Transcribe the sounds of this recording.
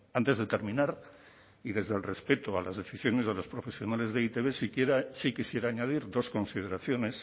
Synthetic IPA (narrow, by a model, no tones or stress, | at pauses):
ant̪e̞zðet̪e̞ɾmĩnaɾ | iðe̞zðe̞lre̞spe̞t̪oalazðe̞θisjo̞ne̞zðelo̞spɾo̞fe̞sjo̞nale̞zðeit̪e̞βe̞sikje̞ɾasikisje̞ɾaːɲað̞iɾðo̞sko̞nsið̞e̞ɾaθjo̞ne̞s